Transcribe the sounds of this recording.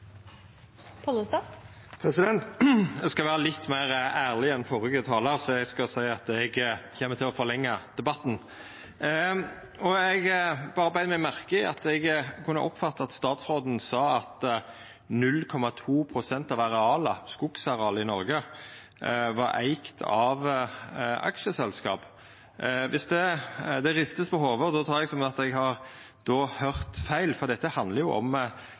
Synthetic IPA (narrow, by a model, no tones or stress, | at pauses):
pʰɔlʊst̪ɑ | pʰɾɛsɪd̪ɛnt̪ɛɡskɑlʋæːʁəlɪt̪ːmæːʁæːʁlɪɛnfɔʁʏɡət̪ʰɑːləɾsɔɛɡskɑsæɪɑt̪ɛɡçɛːmːət̪ɪlɔfɔʁlɛŋːɑd̪̥ɛbɑt̪ːn̩ | ɔɛɡbɑːʁəbæɪd̪əmɛmæʁkəɪɑ̰t̪ɛɡkʰʉnːə̰ʔɔpfɑt̪ːəɑɑt̪st̪ɑːt̪sʁoːd̪n̩sɑːɑt̪ | nʉlːkʰɔmɑt̪ʰuːpʰɾʊsɛnt̪ɑʋɑɾɛɑːlɑskʊksɑɾɛɑːləɪnɔɾɡə | ʋɑɾʔæ̰ɪkt̪ʰɑ̰ʋ | ʔɑ̰kʃəsɛlskɑ̰ːp | ʋɪsd̪ɛd̪ɛɾɪst̪əspɔɦoːʋəd̪ɔt̪ʰɑːɾɛɡsɔmɑt̪ɛɡɦɑɾ | d̪oːhœʁt̪fæɪlfɔʁd̪ɛt̪ːəhɑnd̪ləɾjʊʔɔ̰m